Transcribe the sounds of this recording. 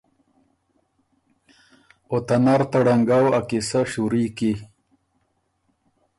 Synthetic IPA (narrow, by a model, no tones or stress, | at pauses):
ot̪anaɾt̪aɽaŋɡawakisaɕuɾiːki